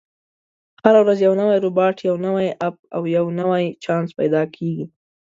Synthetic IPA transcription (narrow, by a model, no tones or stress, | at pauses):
haɾawɾazjawnəwajɾʊbɑʈʰjawnəwajap̚awjawnəwajt͡ʃɑnspajd̪ɑkʰeɡi